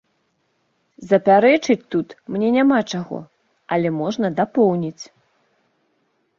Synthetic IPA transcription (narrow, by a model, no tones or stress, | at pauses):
zɐpʲaɾɛt͡ʂɨt͡sʲt̪ut̪mnʲɛnʲamat͡ʂaɣɔ̰ | ɐlʲɛmɔʐnɐd̪apɔwnʲit͡sʲ